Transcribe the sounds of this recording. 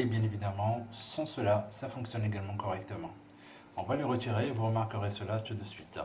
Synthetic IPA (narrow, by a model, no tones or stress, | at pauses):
ebjɛ̃nevid̪amɑ̃sɑ̃səlasafɔ̃ksjɔneɡalmɑ̃kɔʁɛkt̪əmɑ̃ | ɑ̃vwaleʁət̪iʁevuʁəmaʁkəʁesəlat̪ud̪əsɥit̪